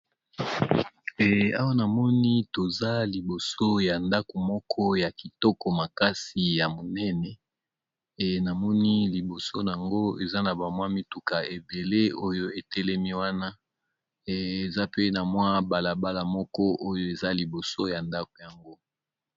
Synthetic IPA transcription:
ɛ˨a˦wa˦na˨mɔ˦ni˦to˨za˦li˨bo˨so˦ja˨nda˦ko˨mɔ˦kʰɔ˦ja˨ki˨tɔ˦kɔ˨ma˨ka˦si˨ja˨mo˨nɛ˦nɛ˨ | na˨mɔ˦ni˦li˨bo˨so˦n˨a˨ŋɡo˦e˨za˦na˨ba˨mwa˦mi˦tu˨ka˨e˨be˨le˦o˦jo˦e˨tɛ˦lɛ˦mi˦wa˦na˦˨ | e˨za˦pe˦na˨mwa˦ba˨la˨ba˦la˨mɔ˦kɔ˦ʔo˦jo˦e˨za˦li˨bo˨so˦ja˨nda˦ko˨ja˨ŋɡo˦

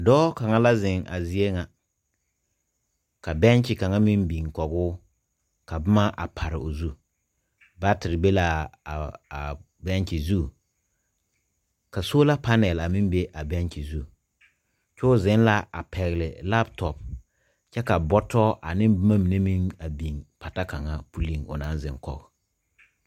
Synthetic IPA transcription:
dɔː˦ka˨ŋa˦la˦zɪ˨ŋa̰˨zi˦e˦ŋa˨ | ka˨bɛ˦nt͡ʃɪ˨ka˨ŋa˦mɪ˦mbi˨ŋ˨kɔ˨ɡʊː˦ | ka˨bʊ˦ma˦ʔa̰˨pʰa˨ɾɪ˨o˨zu˦ | ba˦tɪ˨ɾɪ˨be˦la˨ | a˨ | bɛ˦n˦t͡ʃɪ˨zu˦˨ | ka˨so˦la˦pa˦nɛ˨la˨mɪ˦mbe˦ʔa˨bɛ˦nt͡ʃi˨zu˦˨ | t͡ʃʊː˦zɪ˦n˦la˦a˨pʰɛ˨ɣɪ˨lɪ˨la˦btɔ˨p̚ | t͡ʃɛ˦ka˨bɔ˦tɔ˦ʔa˨nɪ˦bma˦mi˨ne˦mi˦ŋa˨bi˨ŋpʰa˨ta˦ka˨ŋa˦pu˨li˦ŋo̰˨na˦nzɪ˨ŋkɔ̰˨ɡ

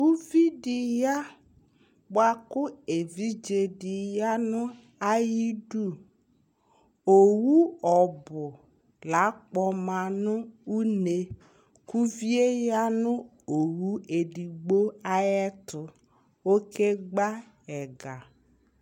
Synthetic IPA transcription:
u˦vi˦di˨ja˦ | ba˦kʊ˦e˨vi˦d͡ʒe˨di˨ja˦nʊ˦ | a˦ji˦du˦˨ | o˨wu˦ɔ˨bʊ˨ | la˨˦k͡pɔ˨ma˨nʊ˦u˦ne˨ | ku˦vi˦e˦ja˦nʊ˦ | o˨wu˦e˨di˨ɡ͡bo˦a˦jɛ˦tʊ˨ | o˦kʰe˦ɡ͡ba˦ | ɛ˨ɡa˨

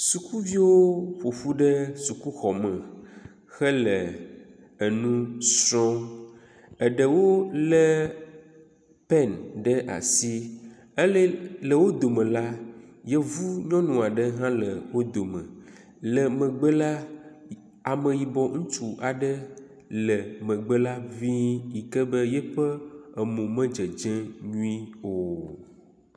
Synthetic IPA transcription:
su˨ku˦vi˦wo˦ɸo˨ɸu˦ɖə˦su˨ku˦xɔ˨mə̃˨ | xə˦lə˨ | ə˨nũ˦sɾɔ̃˦ | ə˨ɖə˨wo˦lə˦ | pɛ˦˨nɖə˦ʔa̰˨si˦ | ə˦lə˦lə˨wo˦d̪o˨mə̃˨la˦jɛ˦vu˦ɲɔ̃˦nũ˨a˨ɖə˦ɦã˦lə˨wo˦d̪o˨mə̰̃˨ | lə˨mə̃˨ɡ͡bə˦la˦ | a˨mə̃˨ji˨bɔ˨ŋ̩̃˦t͡ʃu˨ʔa˨ɖə˦ | lə˨mə̃˨ɡ͡bə˦la˦vi˦ji˨kə˦bə˦jɛ˦ɸə˦ə˨mũ˨mə̃˦d͡ʒə˨d͡ʒɛ̃˦ɲũ˦i˦o˨

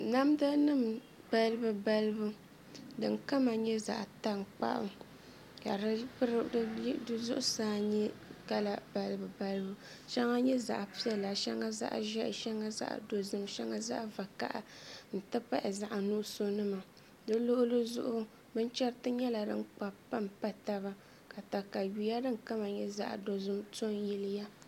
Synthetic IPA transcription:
na˦mda˦nɨ˦m | ba˦lɨ˦bɨ˦ba˦lɨ˦bu˦ | dɨ˨ŋka˦ma˨ɲɛ˦za̰˨ʔta˦ŋ͡mk͡pa̰˦ʔʊ̰˦ | ka̰˨ɾɾdɨ˦zʊ˦ʔʊ˦saː˦ɲɛ˦ka˦la˦ba˦lbɨ˨ba˦lɨ˦bu˦ | ʃɛ˦ŋa˦ɲɛ˦za̰˨ʔpi˦ɛ˦la˨ʃɛ˦ŋa˦za̰˦ʔʒɛ˦ʔʃɛ˦ŋa˦za̰˦ʔa̰˨do˨zɨ˦mʃɛ˦ŋa˦za̰˦ʔva˨ka̰˦ʔa̰˨n̩˨tɨ˦pa˦ʔɪ˨za˦ʔa˨nu˦ʔso˦nɨ˦ma˨ | dɨ˦lo˦ʔʊ˦lɨ˦zʊ̰˦ʔʊ˦ | bɨ˦n˦t͡ʃɛ˦ɾtɨ˦ɲɛ˦la˨dɨ̰˦nk͡pa˨pa˦mpa˨ta˦βa˦ | ka˨ta˨ka˨ju˨ja˦dɨ˦ŋ˨ka˦ma˨ɲɛ˦za̰˦ʔdo˨zɨ˦mto˦n˦ji˦lɨ˦ja˦

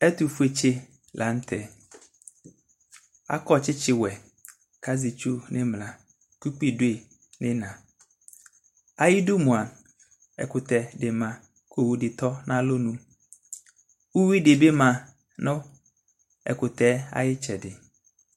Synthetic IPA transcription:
ɛ˦tu˨fu˦e˨t͡ʃɪ˦ | lʔa˨n̩˦tʰɛ˨ | a̰˦kɔ˦t͡ʃɪ˦t͡ʃɪ˦˨wɛ˨ | kʰa˦zɪ˨t͡ʃu˦nɪ̃˦mla˨ | ku˦k͡pi˦dʊ˦e˨ | nɪ̃˦nã˨ | a˦jɪ˦dʊ˦mũ˨a˨ | ɛ̰˨kʊ˨t̪ɛ˨dɪ˨mã˨ | kʰo˦wu˨dɪ˨t̪ɔ˦nã˦lo˦nũ˦ | wu˦wi˦dɪ˨bɪ˦mã˨ | nʊ̃˦ | ɛ̰˨kʊ˨tɛ˦a̰˦jɪ˦t͡ʃɛ˨dɪ˨

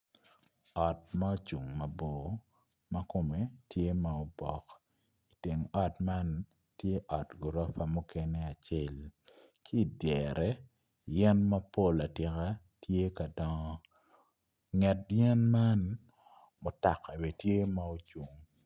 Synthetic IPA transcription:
ɔ˨t̚ma˦o˦t͡ʃu˨ŋmɐ˨bo˨ | mɐ˦ko˨me˨tʰje˦ma˨o˨bɔ˨k | i˨te˨ŋɔ˨tma˦n | tje˦ʔɔ˨tɡu˨ɾɔ˦fa˨mu˦ke˦ne˦a˨t͡ʃe˦l | kʰi˦˨djɛ˨ɾɛ˦ | jɛ˦nmɐ˦po˦la˨tɪ˨ka˦ | tʰje˦ka˨dɔ˦ŋɔ˦ | ŋɛ˨t̚jɛ˦nma˦n | mo˨ta˨ka˨be˨tje˦ma˦o˦t͡ʃu˨ŋ

